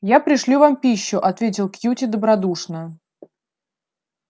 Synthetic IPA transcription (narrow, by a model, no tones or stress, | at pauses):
japɾʲɪʂlʲuvampʲiɕːʊʔɐt̪vʲetʲɪlˠkjutʲɪd̪əbɾɐd̪uʂnə